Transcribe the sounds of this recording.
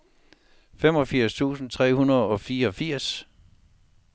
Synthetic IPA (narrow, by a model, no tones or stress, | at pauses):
fem̰ɒ̽fiɐ̰st͡sʰṵːsn̩t͡sʰʁɛ̰ːhunɐðˠɒ̽fiːɐɒ̽fiɐ̰s